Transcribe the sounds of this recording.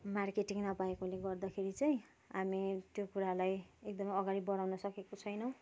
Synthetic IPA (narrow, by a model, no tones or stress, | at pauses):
markeʈiŋnʌpaekoleɡʌrd̪akʰeɾit͡saj̃ | amit̪jokuɾalajek̚d̪ʌmʌjʌɡaɾibʌɽawnʌsʌkekot͡sʰʌjnʌ